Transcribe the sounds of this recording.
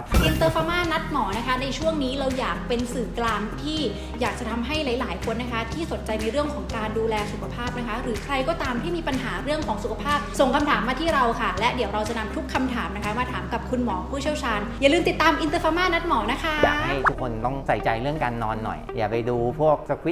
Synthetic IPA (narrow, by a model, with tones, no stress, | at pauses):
ʔi˧nt̪ɤː˧faː˧maː˥˩na˦˥t̪̚mɔː˩˦na˦˥kʰa˦˥na˧jt͡ɕʰu˥˩əŋniː˦˥ɾa˧wjaː˨˩k̚pe˧nsɯː˨˩klaː˧ŋt̪ʰiː˥˩ | jaː˨˩k̚t͡ɕa˨˩t̪ʰa˧mɦa˥˩jla˩˦jlaː˩˦jkʰo˧nːa˦˥kʰa˦˥t̪ʰiː˥˩so˨˩nt͡ɕa˧jna˧jɾɯ˥˩əŋkʰɔː˩˦ŋkaː˧nduː˧lɛː˧su˨˩kʰa˧pʰaː˥˩p̚na˦˥kʰa˦˥ɾɯː˩˦kʰɾa˧jkɔː˥˩t̪aː˧mt̪ʰiː˥˩miː˧pa˧nɦaː˩˦ɾɯ˥˩əŋkʰɔː˩˦ŋsu˨˩kʰa˧pʰaː˥˩p̚so˨˩ŋkʰa˧mt̪ʰaː˩˦mːaː˧iː˥˩ɾa˧wkʰa˥˩lɛ˦˥ʔdi˩˦əwɾa˧wt͡ɕa˨˩na˧mt̪ʰu˦˥kʰːa˧mt̪ʰaː˩˦mna˦˥kʰa˥maː˧t̪ʰaː˩˦mka˨˩p̚kʰu˧nmɔː˩˦pʰuː˥˩t͡ɕʰi˥˩əwt͡ɕʰaː˧njaː˨˩lɯː˧mt̪i˨˩t̪ːaː˧mʔi˧nt̪ɤː˧faː˧maː˥˩na˦˥t̪̚mɔː˩˦na˦˥kʰa˦˥jja̰ː˨ha˥˩jt̪ʰu˦˥kʰːo˧nt̪ɔ˥˩ŋsa˨˩jt͡ɕa˧jɾɯ˥˩əŋkaː˧nːɔː˧nːɔ̰˨˩jja̰ː˨˩pa˧jduː˧pʰu˥˩ək̚sa˧kʰwi˦